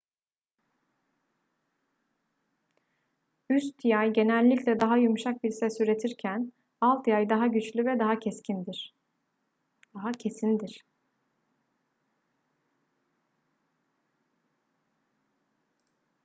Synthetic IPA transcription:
yst̪jajɟe̞nælʲːicʲlʲɛd̪aɦajumʃak̚biɾsɛsyɾe̞t̪ʰiɾcʰæn | alˠt̪jajd̪aɦaɟyt͡ʃlʲyvɛd̪aɦacʰɛscʰind̪iɾ̥ | ɦacʰe̞sind̪iɾ̥

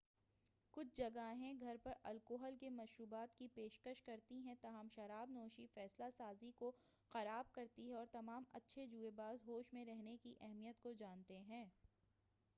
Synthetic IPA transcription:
kʊt͡ʃʰd͡ʒɐɡaɦɛ̃ɡʱɐɾpɐɾɐlkoːɦəlkemɐʃɾuːbaːt̪kipeːʃkəʃkɐɾt̪iɦɛ̃t̪aɦəmʃɐɾaːbnɔːʃifɛːslasaːziko | xɐɾaːb̚kɐɾt̪iɦɛ̃ɔːɾt̪ɐmaːmɐ̰tːʃʰed͡ʒuːebaːzɦoːʃmẽɾɛɦnekiʔɛɦmijət̪kod͡ʒaːnt̪eɦɛ̃ː

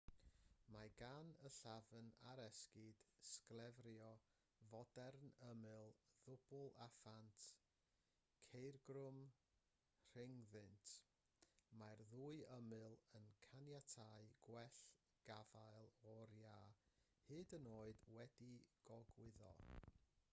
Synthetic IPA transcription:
maɡanəɬavəna̰ɾɛskɪd̥sklˠɛvrjɔ | vɔdɛrnəmɨlˠðʊb̥ʊlˠafantʰ | kʰejrɡrʊm | r̥ɪŋðɨntʰ | marðuːɨəmɨlˠənkʰanjatʰaɨɡ̥wɛɬ | ɡ̥avaɨlˠɔɾja | hɨːdənoːɨdwɛdiɡ̥ɔɡwɪðɔ̰

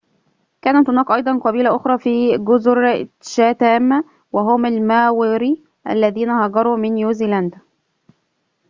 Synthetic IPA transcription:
kæːnæt̪hʊnæːkʔɑjd̪ˤɑnqɑbiːlæʔʊxɾˤɑːfiːɡʊzʊɾʃæːt̪æːm | wæɦʊmalmæːwɪɾi | ʔæ̰lːæðiːnæhɑɡɑɾˤuːmɪnjuːzilænd̪

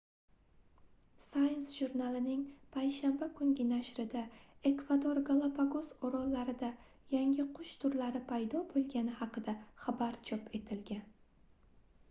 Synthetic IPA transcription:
sajnsʒuɾnalɪnɪŋpʰajʃambakʰʊŋɡʲɪnaʃɾɪd̪ae̞kv̥ad̪oɾɡalˠapʰaɡozoɾɒlːaɾɪd̪a | jaŋʲɪqʰʊʃt̪ʰʊɾlaɾɪpʰajd̪ɒbolˠɡʲanɪhɑqɨd̪aχabaɾt͡ʃʰɒpʰe̞t̪ʰɪlɡʲan

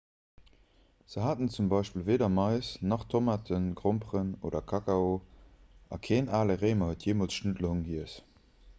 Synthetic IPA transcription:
z̥əɦaːtənt͡sumbɑɪʃpiːlveːdɐmɑɪsnɑχtʰomaːtʰənɡʁompʁəno̰ːdɐkʰɑkao | ɑ̰kʰeːnʔaːləʁeɪmɐhətʰjeːmoːlsʃnədləhuŋɡiəs

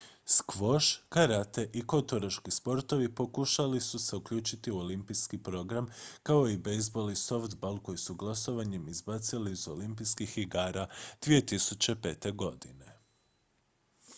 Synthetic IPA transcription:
skʋo̞ʃkaɾat̪e̞ʔiko̞t̪oɾaʃkispo̞ɾt̪o̞ʋipo̞kuʃalisuse̞ukʎuːt͡ʃit̪iuo̞limpiskipɾo̞ɡɾamkao̞ibejzbo̞lˠiso̞ft̪balˠko̞jisuɡlˠaso̞ʋaɲemizbat̪siliːzo̞limpijskixiɡaːɾad̪̥ʋije̞t̪isut͡ʃe̞pe̞ːt̪e̞ɡo̞d̪ine̞

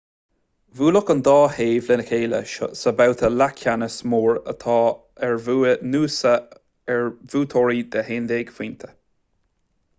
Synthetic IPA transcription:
vuːlʊkənd̪ɑːheːvlɪnəkʰeːlə̰ʃo̰səbawt̪ʰəlakʰanəsmoːɹə̰t̪ʰɑː | ɛɹvuːnuːsə | ɛɹvuːt̪ʰɔɹid̪əheːnd̪eːɡ̥fiːnt̪ʰə̥

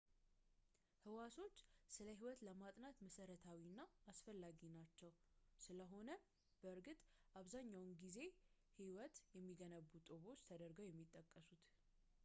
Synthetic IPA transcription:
hɨwasʰo̞t͡ʃːsɨləɦiwɔt̪ləmat̪ʼnat̪məsəɾət̪ʰawinːaːsfəlːaɡinat͡ʃːɛw | sɨləɦo̞nə | b̥əɨɾɡɨt̪ʼʔaβzaɲːawnɡize̞ | hiwɔt̪jɛmːiɡənəβːut̪ʼoβo̞t͡ʃːt̪ʰəd̪əɾɡəwjɛmːit̪ʼːəkʼːəsut̪

